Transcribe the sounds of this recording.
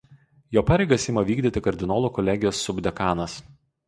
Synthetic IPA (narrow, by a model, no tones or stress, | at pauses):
joːpɑːɾʲɛɪɡɐsʲɪmɐʋʲiːɡd̪ʲɪt̪ʲɪkɐɾʲd̪ʲɪnoːlˠuːkɔlʲæɡʲɪjoːsːʊbʲd̪ʲɛkɑːnɐs